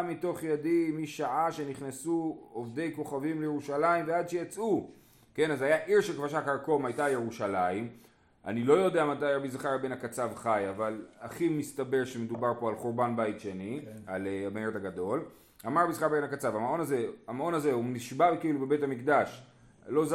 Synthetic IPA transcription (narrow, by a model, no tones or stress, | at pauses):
mito̞χjadimiʃaʕaʃe̞niχnesuovd̪e̞jko̞χavimlejeuʃalaimvead̪ʃejat͡sʔu | ke̞nazajaʔiʁʃelkvaʃakaʁko̞majtajeʁuʃalaim | a̰nilo̞jo̞deamatajabizaχaʁabe̞nakat͡savχajavalaχimist̪abeʁʃemed̪ubaʁpo̞alχoʁbanbaitʃe̞nialeabeeʁt̪aɡad̪o̞l | amaʁbizaχabenakat͡savamao̞naze̞amao̞nazeuniʃbavkiilube̞betamikd̪aʃ | lo̞z